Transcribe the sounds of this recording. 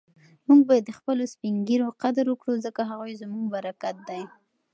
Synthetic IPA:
muɡ̚bajad̪ːəxpəlospiŋɡiɾoqad̪aɾwəkɽuzəkaɦaɣujzmuɡbaɾakat̪̚d̪aj

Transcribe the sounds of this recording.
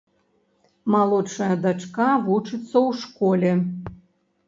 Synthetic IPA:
malˠot͡ʂɐjɐd̪at͡ʂkavut͡ʂɨt̪sːɐwʂkolʲe

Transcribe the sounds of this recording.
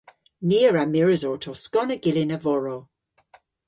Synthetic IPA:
niəɹamɪɹəzɔːtʰɔskɔnəɡ̥ɪlɪnəvɔɹo

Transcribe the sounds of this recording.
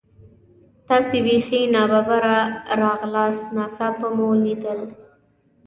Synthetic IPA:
t̪ɑsewifinɑbabaɾaɾɑɣlɑst̪nɑsapəmolid̪əl

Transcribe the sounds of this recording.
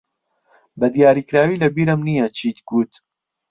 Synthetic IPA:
bɐd̪ijaːɾiːkɾaːwiːlɐbiːɾəmnijɐt͡ʃʰiːt̪ɡuːt̪

